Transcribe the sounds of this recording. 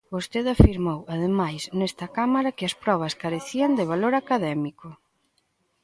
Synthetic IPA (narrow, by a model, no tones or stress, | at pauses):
bost̪eðafiɾmowaðemajsnɛst̪ɐkamaɾɐkɪɐspɾɔβ̞ɐskaɾeθiɐnd̪ɪβ̞aloɾakaðɛmikʊ